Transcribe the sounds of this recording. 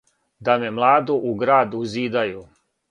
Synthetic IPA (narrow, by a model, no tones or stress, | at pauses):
d̪amemlˠaːd̪uʔuɡɾaːd̪uziːd̪aju